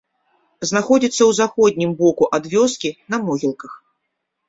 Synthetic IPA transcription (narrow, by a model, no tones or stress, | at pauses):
znaxɔd͡zʲit̪sːɐwzaxɔd̪̚ʲnʲimbɔkuʔad̪vʲɔskʲinɐmɔɣʲilˠkɐx